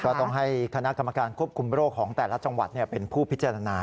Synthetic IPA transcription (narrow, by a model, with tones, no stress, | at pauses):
kɔː˥˩t̪ɔ˥˩ŋɦa˥˩jkʰa˧na˦˥ʔka˧mːa˧kaː˧nkʰu˥˩əp̚kʰu˧mɾoː˥˩kʰːɔː˩˦ŋt̪ɛː˨˩la˦˥t͡ɕa˧ŋwa˨˩t̪̚ni˥˩əpe˧npʰuː˥˩pʰi˦˥t͡ɕa˧ɾa˧naː˧